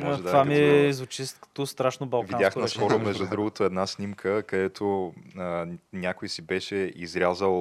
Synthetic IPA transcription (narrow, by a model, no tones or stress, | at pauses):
mɔɛtd̪avamiɛzvʊt͡ʃiskt̪ost̪ɾaʃnobɐlˠviãnjaxknɐsxɔɾɾomɛʒd̪ud̪ɾuɡot̪oɛd̪nasnʲimkʰəkɐd̪ɛt̪ʰo | nʲakojsibɛʃɛizɾʲazəlˠ